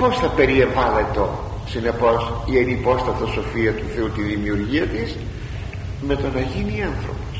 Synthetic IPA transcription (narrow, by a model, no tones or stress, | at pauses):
po̞sθɐpe̞ɾieɱvɐlet̪o̞ | sine̞po̞sienipo̞st̪ɐft̪o̞so̞fiɐt̪uθe̞ut̪iðimiuɾʝiɐt̪is | me̞t̪o̞nɐʝiniɐnθɾo̞̰pos